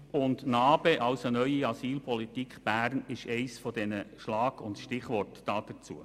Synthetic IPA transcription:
ʊndnɑːb̥eʔɑʊsənœʏiɑsiːlpʰɔlitikχb̥æːɾnɪʃɛɪsfɔd̪ɛnəʃlɑːɡ̥ʊntʃtɪχʋɔrtd̥ɑːd̥ət͡sṵə

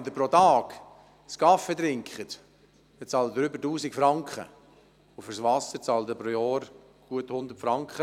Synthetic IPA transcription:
nd̪əpɾotɑːk | skɑfed̪ɾɪŋkχət̪ | d̪ɛt͡sɑːləd̪əɾʏbəɾtuːsɪkfɾɑŋkχə̰ | ufʏɾsʋɑsəɾt͡sɑːlt̪əpɾoːjɔːɾ | ɡ̥uəthʊnd̪əɾtfɾɑŋkχə

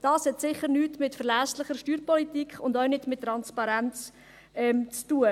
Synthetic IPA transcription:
d̥ɑːshɛtsɪχəɾnyːtmɪtfəɾlɛslɪχəɾʃtyːɾpɔlitiːkχʊndœʊnɪtmɪtːɾɑnspɑɾɛnt͡s | ɛmt͡stuə

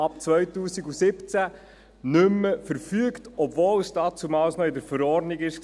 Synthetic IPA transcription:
ɑp̚t͡sʋœjtuːsiɡusɪpt͡sæ | nʏmːəfəɾfyəktɔbvowsdɑːt͡sumɑlsnɔɪdəɾfəɾɔːrdniɡɪʃ

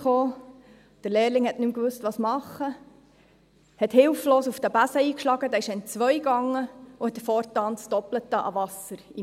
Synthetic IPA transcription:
χoː | d̥əɾleːɾlɪŋhɛtnymkʋʉstvʋɑːsmɑχə | hɛthɪlfloːsufd̥əbæsəiːkʃlɑɡəd̪æːɪʃɛɪnt͡sʋœʏjɡɑŋːəʊhɛt̪ːəfɔːɾtɑːntsd̥ɔplətːəʔɑ̰vɑsəɾi

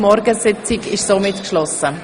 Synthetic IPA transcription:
mɔɾɡəsɪt͡sɪɡɪʃsoːmɪtkʃlɔsə

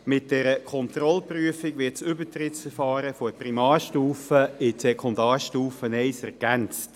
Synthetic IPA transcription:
mɪt̚d̥ɛɾəkʰɔntɾɔlpryəfɪɡʋɪtsʏbətɾɪtsfɛɾfɑːɾəfɔprimɑːɾʃtuːfəɪtsɛkʰɔndɑːɾʃtuːfənɛɪsɛɾɡ̥ænt͡st

